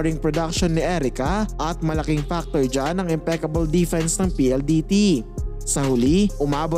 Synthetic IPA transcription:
ɾɪŋpɹɔd̪ɐk̚ʃonːɪʔɛɾɪkɐʔɐt̪̚mɐlɐkiŋfak̚t̪oɹd͡ʒanɐŋɪmpɛkɐbɐld̪ifɛnsnɐŋpiːʔɛld̪iːt̪i | sɐhʊliʔʊmaːbo

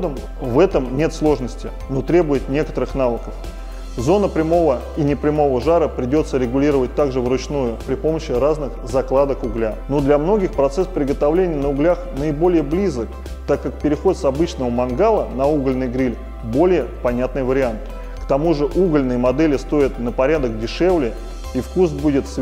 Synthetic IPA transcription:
d̪əm | vɛt̪əmnʲe̞t̪slˠo̞ʐnəsʲtʲɪ | no̞t̪ɾʲe̞bʊjɪt̪̚nʲe̞kə̥t̪əɾɨxnavəkəf | zo̞nəpɾʲɪmo̞və | inʲɪpɾʲɪmo̞vəʐaɾəpɾʲɪdʲo̞t̪səɾʲɪɡʊlʲiɾəvət̚ʲt̪aɡʐɨvɾʊt͡ɕnujʊpɾʲɪpo̞məɕːɪɾaznɨxzɐklˠad̪əkʊɡlʲanod̪lʲɐmno̞ɡʲɪxpɾɐt̪sɛspɾʲɪɡət̪ɐvlʲenʲɪjənəʊɡlʲaxnəɪbo̞lʲɪjəblʲizək | t̪akːakpʲɪɾʲɪxo̞t̪sɐbɨt͡ɕnəvəmɐnɡalˠənɐuɡəlʲnɨjɡɾʲilʲ | bo̞lʲɪjəpɐnʲat̪nɨjvəɾʲɪant̪ | kt̪ɐmuʐɨʔuɡəlʲnɨjəmɐd̪ɛlʲɪst̪o̞ɪt̪nəpɐɾʲad̪əkdʲɪʂevlʲɪ | ifkus̬budʲɪt̪s

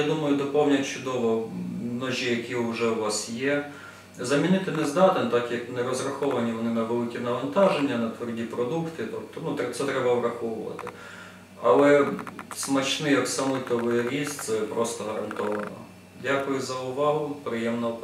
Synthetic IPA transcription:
ad̪umɐjʊd̪ɔpɔwnʲɐkt͡ʃʊd̪ɔʋɔnɔʒʲijɐkʲiʊʒɛʊʋɑsjɛ | zɐmʲinɪt̪ɪnɛzd̪ɑt̪ɪnt̪ɑkjɐknɛɾɔzrɐxɔʋɐnʲiʋɔnɪnɐʋɛlˠɪkʲinɐʋɐnt̪ɑʒenʲːɐnɐt̪ʋɔrdʲipɾɔd̪ukt̪ɪt̪ɔp̚t̪ɔnut̪ɛsɛt̪ɾɛbɐbɾɐxɔʋʊʋɐ̰t̪ɪ | ɐlˠɛsmɐt͡ʃnɪjɐksɐmˠɪt̪ɔʋɪjɾʲisʲsɛpɾɔst̪ɔɦɐɾɐ̰nt̪ɔʋɐnɔ̰ | dʲakʊjʊzɐʊʋɑɦʊpɾɪjɛmnɔ

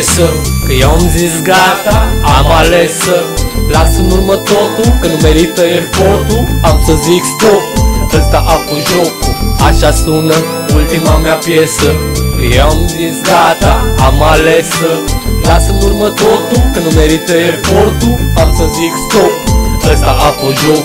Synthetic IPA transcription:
səkəjawmd͡zisɡat̪aːmalesəlasənuɾmət̪ot̪ukənumeɾit̪əeɾpoɾt̪uamt͡səziksd̪ot̪əst̪aʔapuʒokaɕast̪unə | ult̪imamjapjesəjamzisɡat̪aamalesəlasunuɾmət̪ot̪ukənumeɾit̪əeɾpoɾt̪uamsəzikst̪ok̪əst̪aʔapəʒoɡ

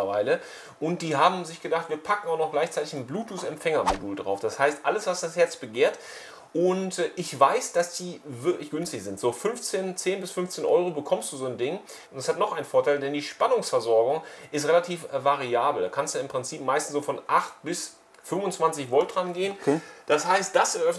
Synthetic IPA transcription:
ɐvaɪlə | ʔʊntd̥iːɦaːbm̩zɪçɡ̥ədaχtv̥iːɐpʰakŋ̩aʊnɔxɡ̥laɪçt͡saɪtɪçn̩bluːtusɛmfɛŋɐmoduːldʁa̰ʊfd̥ashaɪstʔaləsv̥asd̥ashɛɐt͡sb̥əɡeːɐt | ʔʊntʔɪçvaɪsd̥asd̥iːvɪɐklɪçɡ̥ʏnstɪçz̥ɪntz̥oːfʏnft͡seːnt͡seːnbɪsfʏnft͡seːnʔɔʏʁobəkʰɔmsd̥uːzoːndɪŋ | ʔʊntɛshatnɔχʔaɪnfoːɐtʰaɪldɛndiːʃpanʊŋsfɛɐzɔɐɡʊŋʔɪs̬tʁelatʰiːfvaʁiaːbl̩dakʰanstujaɪmpʁ̥ɪnt͡siːpmaɪstn̩sz̥oːfɔnʔaχt̚b̥ɪs | fʏmvʊnt͡sv̥ant͡sɪçvɔltʁ̥anɡeːənd̥ashaɪst̚d̥asɛɐʔœfn

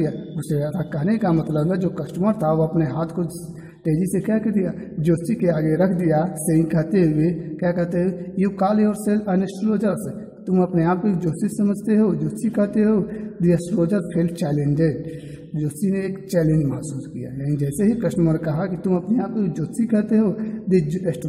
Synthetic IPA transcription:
ijaʋoseaːt̪ʰakɐɦnekamɐt̪ləbɛd͡ʒoːkɐsʈməɾt̪ʰaʋoɐpneɦaːt̪ʰko | ʈeːd͡ʒisekaːkid̪ijad͡ʒoːsikeaːɡeɾɐkʰd̪ijaseĩkɐɦt̪eɦʊekjakɐɦt̪eɦʊejikaːleɔːɾselɐnəsɾoːd͡ʒəɾse | t̪ʊmɐpneaːp̚kod͡ʒoːst̪isɐməd͡ʒʱt̪eɦod͡ʒoːsikɐɦt̪eɦoːd̪iɐsɾoːd͡ʒəɾpʰelt͡ʃɛːlẽnd͡ʒeɖ | d͡ʒoːstineːkt͡ʃɛːlẽɲd͡ʒmɐɦsuːskija̰janid͡ʒɛːseɦikɐsʈəməɾkɐɦakit̪ʊmɐpneaːp̚kod͡ʒoːtikɐɦt̪eɦod̪id͡ʒesʈ

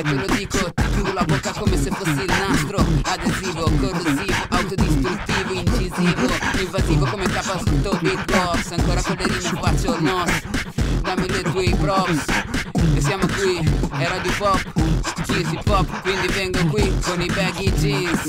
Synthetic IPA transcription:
ɛked̪od̪ikod̪it̪uɡ̪ulabokakomesefosilnast̪ɾoad̪ezivokoɾd̪ozivʊawt̪od̪ist̪ɾut̪ːivʊĩnt͡ʃizivʊĩɱvazivokomet̪apast̪obipɔvsaŋkoɾɐkoled̪inapat͡ʃonɔsd̪amileɾkwipɾɔpsesjamokwiɛɾad̪jupɔpkisipɔpkwind̪ivɛŋɡokwikonibɛɡid͡ʒi

